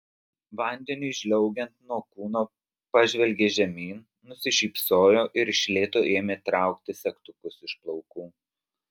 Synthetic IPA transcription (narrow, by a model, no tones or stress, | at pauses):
ʋɐnʲd̪ʲɛnʲʊʒʲlʲɛʊɡʲɛnt̪nuɔkuːnoː | pɑʒʲʋʲɛlʲɡʲeːʒʲɛmʲiːn | nʊsʲɪʃʲiːpsoːjoːʔɪɾɪʃʲlʲeːt̪oːʔeːmʲet̪ɾɑˑʊkt̪ʲɪsʲɛkt̪ʊkʊsɪʃplˠɔʊkuː